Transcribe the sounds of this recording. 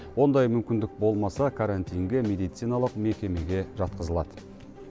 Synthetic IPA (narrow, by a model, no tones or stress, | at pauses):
wo̞nd̪ɑjmʏmkʲɪnd̪ɪk̚bo̞lˠmɑsɑkʰaɾant̪ijŋɡʲemʲe̞d̪ijt̪sijnɑlˠəqme̞kʲe̞me̞ɡʲe̞ʒɑt̪̚qəzəlˠɑd̪ə